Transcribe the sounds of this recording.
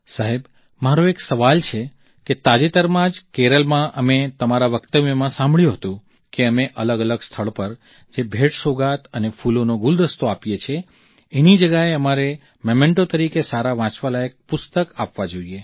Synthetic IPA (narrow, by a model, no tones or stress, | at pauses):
saɦeb | maɾoeksəʋalt͡ʃʰe | ket̪ad͡ʒet̪əɾmãd͡ʒkeɾəlmãʔəmet̪əmaɾaʋəkt̪əʋjəmãsãmbɭjũɦət̪ũ | keəmeʔələɡələɡst̪ʰəɭpəɾ | d͡ʒebʱeʈsoɡat̪ənefulonoɡuld̪əst̪oapjet͡ʃʰe | enid͡ʒəɡaeəmaɾe | məmẽɳʈot̪əɾikesaɾaʋãt͡ʃʋalaek̚pʊst̪əkapʋad͡ʒoie